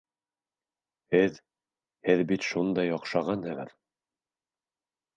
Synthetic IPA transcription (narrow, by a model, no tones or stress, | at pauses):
hɘð | hɘðbit̪ʃund̪ɑjɒqʃɑʁɑnhɘʁɘ̰ɾ